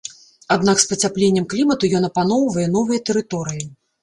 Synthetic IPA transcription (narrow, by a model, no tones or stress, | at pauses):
ad̪nakspɐt͡sʲaplʲenʲːɛmklʲimɐt̪ujɔn̪ɐpanɔwvɐjɛn̪ɔvɨjɐt̪ɛɾɨt̪ɔɾɨji